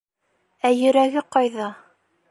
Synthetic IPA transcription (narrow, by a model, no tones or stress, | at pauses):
æjɵ̆ɾæɡɘqɑjðɑ